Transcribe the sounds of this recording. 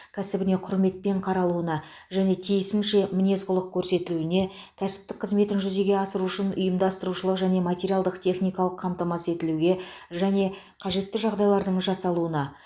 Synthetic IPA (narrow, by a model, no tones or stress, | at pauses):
kʲʰæsɪbɪne̞qʰʊɾme̞t̪̚pe̞ɴqʰɑɾɑlˠuənɑ | ʒæne̞t̪ʰijɪsɪnʃe̞mɪnʲe̞sqʊlˠəq̚kʲʰɵɾse̞t̪ɪluɪne̞ | kʲʰæsɪ̥p̚t̪ɪk̚qʰəzme̞t̪ɪnʒʏze̞ɡʲe̞ɑsəɾuʃɪnʊ̰jəmd̪ɑst̪əɾuʃəlˠəqʒæne̞matʲeɾijalˠd̪əqt̪ʲʰe̞χnijkɑlˠəqʰːɑmt̪ɑmɑse̞t̪ɪluɡʲe̞ʒæne̞ | qʰɑʒe̞t̪ːɪʒɑʁd̪ɑjlˠɑɾd̪əɴʒɑsɑlˠuənɑ